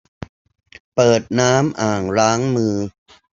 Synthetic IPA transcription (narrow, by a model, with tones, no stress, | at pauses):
pɤː˨˩t̪̚naː˦˥mʔaː˨˩ŋɾaː˦˥ŋmɯː˧